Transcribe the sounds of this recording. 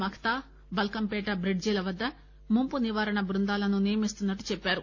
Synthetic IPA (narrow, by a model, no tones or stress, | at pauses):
mɐkʰɐ̥t̪aː | bɐlkɐmpɛːʈɐbɾeɖ̚d͡ʒiːlɐʋɐd̪ːɐ | mumpuniʋaːɾɐɳɐbɾund̪aːlɐnunijɐmist̪unːɐʈːut͡ʃɛpːaːɾu